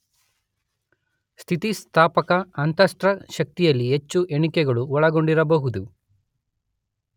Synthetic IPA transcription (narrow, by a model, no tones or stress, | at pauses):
st̪ʰit̪ist̪ʰaːpɐkɐɐnt̪ɐsʈɾɐʃɐk̚t̪ijɐlːiɦet͡ʃːuʔe̞ɳikɛɡɐɭuɔɭɐɡo̞ɳɖiɾɐbɐɦud̪u